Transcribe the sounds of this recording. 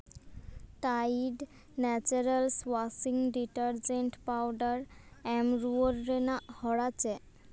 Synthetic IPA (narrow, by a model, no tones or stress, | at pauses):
ʈajɖ | nɛt͡ɕuɾalswasiŋɖiʈaɾd͡ʑeɳʈpawɖaɾɛmɾuoɾːenahɔɽat͡ɕe